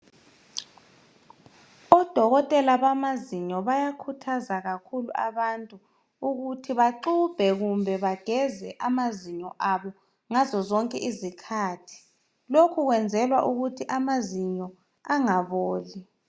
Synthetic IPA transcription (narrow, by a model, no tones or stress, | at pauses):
ɔd̥ʱɔɣɔtʼɛlaβamaziɲɔβajakʰutʰazaɣakʰulṵʔa̰βantʼu | uɣutʰiβaǃub̥ʱɛɣumbʱɛβaɡ̥ʱɛzɛʔamaziɲɔʔaβɔ | ŋazɔzɔŋkʼɛʔizikʰaːtʰi̥ | lokʰuɣwɛnd͡zʱɛlwaʔuɣutʰiʔamaziɲɔ | aŋaβoːli